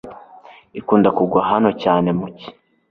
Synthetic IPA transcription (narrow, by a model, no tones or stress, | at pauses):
ikuːndakuɡwaɦano̞caːne̞muci̥